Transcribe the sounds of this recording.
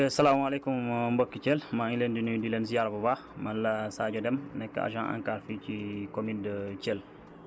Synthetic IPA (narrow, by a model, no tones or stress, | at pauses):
sɐlaːmalɛkummbɔkːicɛlmaileːndinudilɛms̬ijaɾbɐba | mɐlːɐsaːɟɐdɛmnɛkːəa̰ʒãːʔa̰ŋkaːɾficikomindəcɛːl